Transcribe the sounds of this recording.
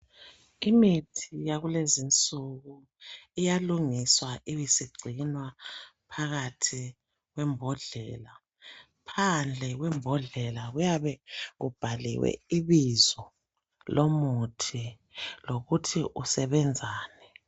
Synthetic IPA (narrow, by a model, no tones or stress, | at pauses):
imitʰijaɣulezint͡sʼuɣu | ijaluŋiswaʔijisiɡ͡ǀʱinwapʰaɣatʰi | ɣwɛmbʱɔɮɛla | pʰand͡ɮʱɛɣwɛmbʱɔɮɛlaɣujaβɛɣub̥ʱalḭwɛ̰iβizɔ | lomutʰi | loɣutʰiʔusɛβɛnd͡zʱaːnɛ